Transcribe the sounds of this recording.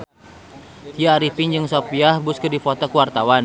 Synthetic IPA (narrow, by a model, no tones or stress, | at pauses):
t̪iaɾipiɲd͡ʒɨŋsopiahbuskɨdifɔt̪ɔkuwart̪awan